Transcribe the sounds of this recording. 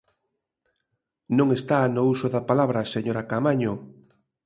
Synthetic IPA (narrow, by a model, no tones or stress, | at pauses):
nõŋest̪anousoðapalaβɾaseɲoɾakamaɲo